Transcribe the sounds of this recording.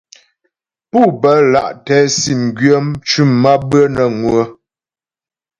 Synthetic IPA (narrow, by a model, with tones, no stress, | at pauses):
pu˦˨bə˨˦la̰˦˨ʔtɛ˨˦si˨mɡɥə˦mt͡ʃʉ˦˨mːa˦bə˦nə˨ŋwə˦